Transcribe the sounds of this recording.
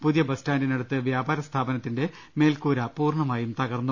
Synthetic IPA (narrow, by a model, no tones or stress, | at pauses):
puðijɐbɐstaːndinɐɽut̪ːɨʋjaːbaːɾɐst̪ʰaːbɐnɐt̪ːinde̞ | me̞ːlkuːɾɐpuːrɳɐmaːjumt̪ɐɣɐrnːu